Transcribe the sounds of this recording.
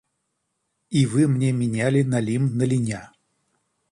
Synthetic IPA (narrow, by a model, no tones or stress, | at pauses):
ivɨmnʲemʲɪnʲælʲɪnɐlʲimnəlʲɪnʲa